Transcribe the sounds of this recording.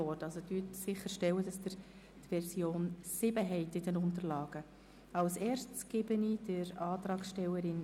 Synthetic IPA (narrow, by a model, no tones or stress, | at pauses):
ɔɾtɑlsodytsɪχəɾʃtɛwəd̥ɑsd̥əɾ | tʋɛɾsjoːnsɪbəɦɛɪtɪdɛnʊntəɾlɑːɡ̥ə | ɑlsɛːɾstsɡ̥ebənid̥əɾɑːt̪ɾɑːksʃtɛwəɾɪn